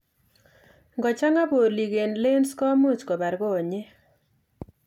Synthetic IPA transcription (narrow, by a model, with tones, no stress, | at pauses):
ŋɡɔ˨t͡ʃa˦ŋa˦bo˨li˨ɡe˨nle˦nskɔ˦mu˦t͡ʃkɔ˨ba˨ɾɡɔ˦o˨ɲe˦